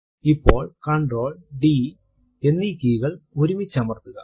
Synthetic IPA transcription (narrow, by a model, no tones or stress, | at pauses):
ipːo̞̰ːɭkɐɳɖroːɭɖi | enːikːijɣɐɭoɾumit͡ɕːɐmɐrt̪ːuɣɐ